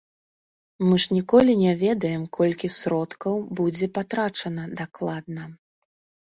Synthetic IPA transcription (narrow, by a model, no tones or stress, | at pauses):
mɨʐnʲikɔlʲinʲɛvʲɛd̪ɐjɛmkʰɔlʲkʲisɾɔt̪kɐwbud͡zʲɛpat̪ɾat͡ʂɐnɐd̪aklˠad̪̚nɐ